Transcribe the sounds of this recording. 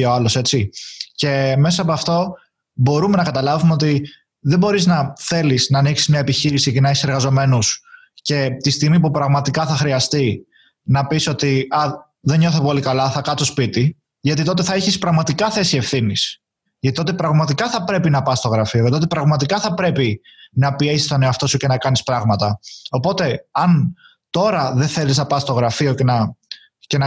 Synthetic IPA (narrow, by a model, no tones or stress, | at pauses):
oɐlo̞se̞t͡sice̞me̞sɐːpoɐft̪o̞ | bo̞ɾume̞nɐkɐt̪ɐlɐvumeo̞t̪i | ðe̞bo̞ɾiznɐθe̞lisnɐːniksi̥zmɲɐe̞piçiɾisicenɐeçi̥seɾɣɐzo̞me̞nus | ce̞t̪ist̪iɣmipupɾɐɣmɐt̪ikɐθɐxɾiɐst̪i | nɐpiso̞t̪iɐ | ðe̞ɲo̞θepo̞likɐlɐθɐkɐsospit̪i | ʝɐt̪it̪o̞t̪̬eθɐeçispɾɐɣmɐt̪ikɐθe̞sie̞fθinis | ʝɐt̪it̪o̞t̪epɾɐɣmɐt̪ikɐθɐpɾe̞pinɐpɐst̪o̞ɣɾɐfioʝɐt̪iot̪epɾɐɣmɐt̪ikɐθɐpɾe̞pi | nɐpie̞sist̪oneoɐft̪o̞suce̞nɐkɐnispɾɐɣmɐt̪ɐo̞po̞t̪e̞ɐn | t̪o̞ɾɐðeθe̞liznɐpɐsst̪o̞ɣɾɐfio̞cenɐ | ce̞nɐ